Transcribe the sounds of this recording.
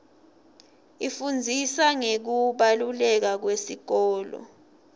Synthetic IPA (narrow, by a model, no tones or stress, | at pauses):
ifund͡zʱisaŋek̬uɓalulɛk̬ak̬wesik̬ɔːlɔ̰